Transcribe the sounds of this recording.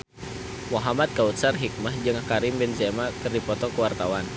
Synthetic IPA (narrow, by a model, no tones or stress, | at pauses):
mɔɦamat̪̚kaut̪̚sarɦik̚mahd͡ʒɨŋakaɾimbɛnzɛmakɨrdipɔt̪ɔkəwart̪awan